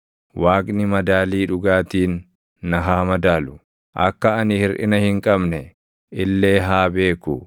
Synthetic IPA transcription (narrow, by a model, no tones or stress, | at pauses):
waːkʼnɪmɐd̪aːliːᶑʊɡaːt̪iːnː | ɐɦaːmɐd̪aːlʊ | ʔɐkːɐɐnɪhɪɾʔɪ̰nɐhɪŋkʼɐbnɛ | ʔɪlːe̞ːɦaːbe̞ːkʊ